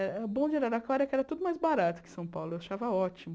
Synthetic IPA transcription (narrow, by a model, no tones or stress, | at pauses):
ɛɾɛbõd͡ʒiɾaɾaklɔɾɐkɪɛɾɐt̪ud̪ʊmajzbaɾat̪ʊ̥kɪ̥sɐ̃w̃pawlʊewaʃavɐɔt͡ʃimʊ